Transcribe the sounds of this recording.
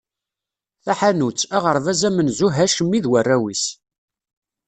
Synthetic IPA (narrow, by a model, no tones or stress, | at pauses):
θæħanut͡sːæʁəɾˤvæzæmənzuɦæʃəmːiðwərːæwis